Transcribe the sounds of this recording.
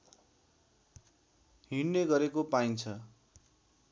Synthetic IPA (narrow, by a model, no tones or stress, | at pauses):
ɦiɽneɡʌɾekopaint͡sʰʌ